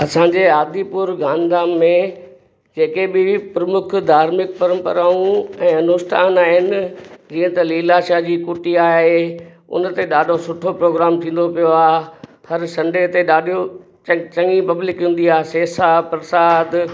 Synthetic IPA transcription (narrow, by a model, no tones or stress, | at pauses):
ɐsãɲd͡ʑeːaːd̪ipʊɾɡaːnd̪aːmːẽ | d͡ʑeːkebɪpɾɐmʊkʰd̪ʱaːɾmɪk̚pɐɾə̃mpə̰ɾaːũɛ̃ːɐnʊsʈʰa̰ːnaːɦɪnɪd͡ʑiːə̃t̪ɐliːlaʃaːd͡ʑiːkuːʈiaːɦe | ʊ̰nt̪eɗaːɖʱosʊʈʰopɾoːɡɾaːmt̪ʰĩːn̆d̪opijoaːɦhɐɾsɐ̃ɳɖʱet̪eɗaːɗʱio | t͡ɕɐ̃ŋipɐblɪkɦũn̆d̪iaːseːsapɾɐsaːd̪